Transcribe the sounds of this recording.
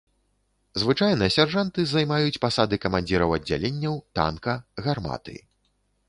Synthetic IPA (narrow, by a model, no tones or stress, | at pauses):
zvɨt͡ʂajnɐsʲarʐant̪ɨzajmajut͡sʲpasad̪ɨkɐmanʲd͡zʲiɾɐwɐd͡zʲːa̰lʲenʲːɐwt̪a̰nkɐɣarma̰t̪ɨ̰i